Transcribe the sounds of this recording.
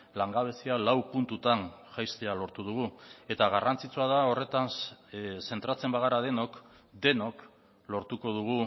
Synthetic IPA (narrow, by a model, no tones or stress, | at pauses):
laŋɡaβe̞sialawpunt̪ut̪an | ʝajst̪ealo̞ɾt̪uð̞uɣ̞ue̞t̪aɣ̞arant͡sit͡suaðao̞re̞t̪ansse̞nt̪ɾat͡se̞mbaɣaɾað̞e̞no̞k | d̪e̞no̞k | lo̞ɾt̪uko̞ðuɣ̞u